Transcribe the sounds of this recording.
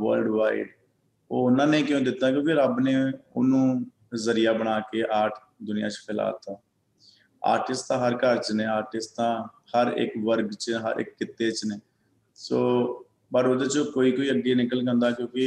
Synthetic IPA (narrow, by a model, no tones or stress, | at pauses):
ʋə̰lɖʋaːḭɖ | oːʊnãːneĩːkjõːd̪ɪt̪ːaːkjõːkeɾəbneːʊ̰nũː | zəɾijaːbəɽaːkeːʔaːɾʈʰ | d̪ʊnɪjã̰ːt͡ʃpʰɪla̰ːt̪aː | a̰ːɾʈɪsãːɦəɾkəɾt͡ʃneːaːɾʈɪst̪ãː | həɾɪ̰kʋəɾɡt͡ʃɦə̰ɾʔɪ̰kːɪt̪ːeːt͡ʃneː | soː | bəɾoːd̪eːt͡ʃokoːiːkoːiːəɡinɪkəlkə̃nd̪aːkjõːkɪ